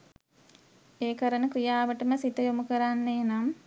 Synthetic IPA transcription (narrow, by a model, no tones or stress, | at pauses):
eːkəɾənəkɾijaːʋəʈəməsit̪əjomukəɾanːeːnam